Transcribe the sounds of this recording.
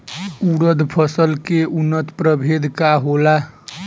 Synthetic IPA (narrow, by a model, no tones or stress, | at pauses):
uɾəd̪ʱpʰəsəlkeunːət̪pɾəbʱed̪ʱkaɦola